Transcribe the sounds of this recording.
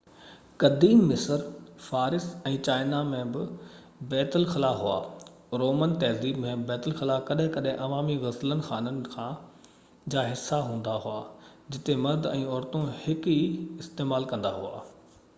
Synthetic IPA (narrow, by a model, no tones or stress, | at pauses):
kɐd̪iːmːɪsəɾfaːɾɪsɛ̃ːt͡ɕaːɪnamẽbɪ | bɛːt̪əlxɪlaɦua̰ː | ɾoːmənt̪ɛːziːbmẽbɛːt̪əlxɪlakɐɗɦɪ̃kɐɗɦɪ̃ʔɐʋaːmiɣɐslənɪ̆xaːnənɪ̆kʰãː | d͡ʑaːɦɪsːaɦũːn̆d̪aɦuaː | d͡ʑɪt̪emɐɾd̪ɛ̃ːɔːɾt̪õhɪkiɪst̪eːmaːlkɐ̃nd̪aɦua̰ː